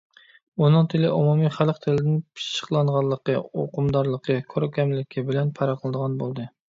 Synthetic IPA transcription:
unɨŋt̪ʰɪlɪʔumumiχælqt̪ʰɪlɪd̪ɪnpʰi̥ʃt͡ʃːə̥qlˠɑɴʁɑlˠːəqəoqʊmd̪ɑɾlˠəqʰəkʰoɾkʲʰɛmlɪkʲʰibɪlɛnpʰɑɾɑqʰəlˠɨd̪əʁɑnbolˠd̪ɨ

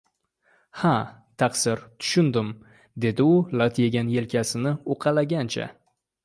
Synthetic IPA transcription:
hat̪ʰaqsɪɾt̪ʰʊ̥ʃʊnd̪ɪm | d̪e̞d̪ɪʊlat̪ʰje̞ɡʲanje̞lkʲʰasɪnɪoqʰɑlaɡʲant͡ʃʰa̰

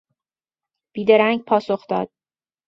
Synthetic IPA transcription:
b̥iːd̪eɾæŋɡpʰɒːsoχd̪ɒ̰ːd̪̥̚

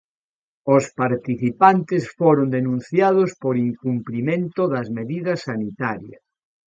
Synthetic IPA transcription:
ospaɾt̪iθipant̪esfoɾond̪enũn̟θjaðospoɾiŋkumplimẽnt̪oðɐzmeðiðɐsːanit̪aɾjɐs

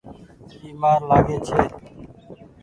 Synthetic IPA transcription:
iːmaːɾlaːɡeːt͡ʃʰeː

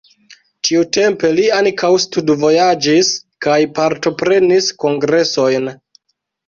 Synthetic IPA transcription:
t͡ʃiute̞mpe̞liaŋkawstudvo̞jad͡ʒiskajpaɾto̞pɾe̞nisko̞ŋɡɾe̞so̞jn

